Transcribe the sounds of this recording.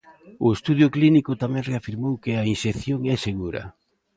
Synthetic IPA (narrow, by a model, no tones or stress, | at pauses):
ʊest̪uðjʊklinikʊt̪amɛ̃ŋreafiɾmowkɪainʃeθjoŋɛseɣuɾɐ̰